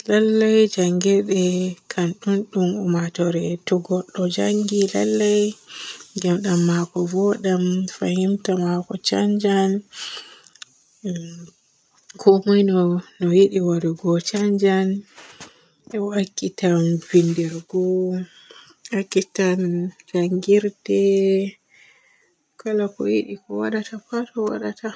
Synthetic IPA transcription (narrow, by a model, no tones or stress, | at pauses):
lalːajd͡ʒaŋɡɛɗɛkʰanɗunɗumumatɔɾɛtɔɡɔɗːɔd͡ʒaŋɡila̰lːaj | ɡamɗamːakɔvɔɗamfa̰himtamakɔt͡ʃa̰ɲd͡ʒan | kʰɔmɔjnɔnɔjiɗiwaɾɔɡɔt͡ʃaɲd͡ʒan | ɛwakːitamvindɛɾɡɔ | akːitankaŋɡiɾdɛ | kalakɔjḭɗikɔwaɗatʰapatɔwa̰ɗata